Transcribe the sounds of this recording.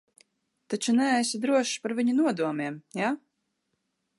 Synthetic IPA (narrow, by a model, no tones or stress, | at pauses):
t̪at͡ʃunææsad̪ɾuɔʃpaɾvʲiɲunuɔd̪uɔmiɛmja